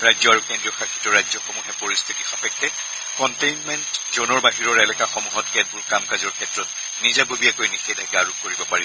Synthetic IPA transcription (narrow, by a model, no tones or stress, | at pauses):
ɹajzɔaɹukendɹiɔxakʰi̥tːɔɹajzɔxɔmuɦɛpɔɹist̪ʰitixapɛkːɛ | kɔntejnmɛntzɔnɔɹbaɦiɹɔɹɛlɛkaxɔmuɦɔtkɛdbuɹkamkazɔɹkʰɛtɹɔt̚ | nizabobiakojnixedʱaɡaɹup̚koɹibɔpaɹi